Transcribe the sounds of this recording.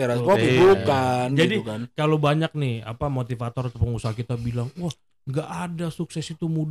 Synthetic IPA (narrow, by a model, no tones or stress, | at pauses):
t̪eɾaskakibukand͡ʒadikankalobaɲak̚nɪha̰pamot̪ifat̪ɔɾat̪opəŋusaɦakit̪abilaŋwah | ŋɡaʔadasuksɛsit̪umud